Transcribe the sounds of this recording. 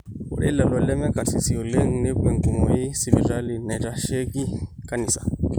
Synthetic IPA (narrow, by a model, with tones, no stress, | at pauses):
o̰˨ɾḛ˦la˨lɔ˨lɛ˦mɛ̃˦ka˨si˨si˨o˨le˦ŋ˦ne˦bɛ̃˨ŋ˨ku˨mɔ˨je˦si˦bi˦˨d͡ʒa˦li˦na˨ta˦ʃe˦ki˦ka˦ni˨sa˨